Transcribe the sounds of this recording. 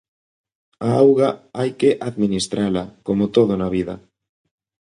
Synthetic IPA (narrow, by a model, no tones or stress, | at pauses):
aawɣaajkeʔaðminist̪ɾalakomot̪oð̞onaβ̞iða̰